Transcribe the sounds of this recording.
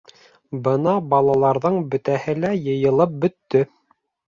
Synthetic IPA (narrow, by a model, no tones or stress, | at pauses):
bɤnɑbɑlˠɑlˠɑɾðɤɴbɵ̆t̪æhɘlæjɤ̆jɤ̆lˠɤp̚bɵ̆t̪ːɵ